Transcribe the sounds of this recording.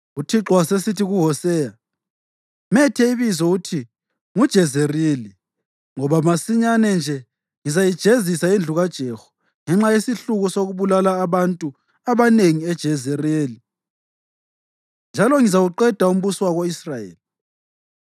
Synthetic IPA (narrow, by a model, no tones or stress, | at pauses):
utʰiǁwasesitʰiɣuɦɔsɛːja | mɛtʰɛiβizɔutʰi | ŋud̥ʒ̥ʱɛzerili | ŋɔβamasiɲanɛnd͡ʒʱɛ | ŋizajid̥ʒ̥ʱezisaind͡ɮʱuɣad̥ʒ̥ʱɛxɔ̥ | ŋɛŋ͡ǁajesiɬuɣusoɣuβulalaːβantʼu | aβaneŋiɛd̥ʒ̥ʱɛzereːli | nd͡ʒʱalɔŋizawuǃɛd̥ʱaum̩βuswaɣoisrajḛːli